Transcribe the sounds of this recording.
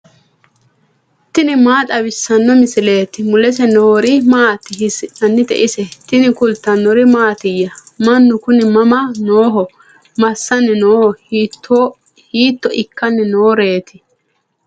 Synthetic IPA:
t̪ɪnɪmaːt̪ʼɐwɪsːɐnːɔmɪsɪle̞ːt̪ɪmʊlɛsɛnoːɾɪmaːt̪ːɪhɪsɪʔɐnːɪt̪ɛ̰ʔɪsɛt̪ɪnɪkʊlt̪ːɐnːɔɾɪmaːt̪ɪjːɐmɐnːʊkʊnɪmɐmɐnoːɦɔ | mɐsːɐnːɛnoːhɔt̪ːo | hiːt̪ːɔʔɪkːɐnːɛnoːɾe̞ːt̪ʰɪ̥

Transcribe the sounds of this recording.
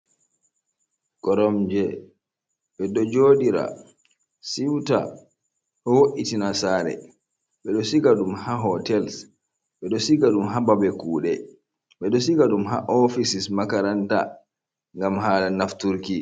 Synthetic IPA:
kɔɾɔmd͡ʒɛ | ɓɛɗɔd͡ʒoːɗiɾa̰ | siwta̰ | ʔɔwoʔitinasaːɾɛ̰ | ɓɛɗɔsiɡaɗumhaɦɔtɛls | ɓɛɗɔsiɡaɗumɦababɛkuːɗɛ | ɓɛɗɔsiɡaɗumɦa̰ʔɔfisismakaɾanta̰ | ŋɡamɦaːlanaftuɾki

